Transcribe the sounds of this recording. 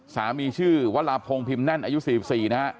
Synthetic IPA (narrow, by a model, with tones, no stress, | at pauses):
saː˩˦miː˧t͡ɕʰɯː˥˩wa˦˥t̪̚laː˧pʰo˧ŋpʰi˧mna˥˩nʔaː˧ju˦˥siː˨˩i˨˩p̚siː˨˩na˦˥ʔ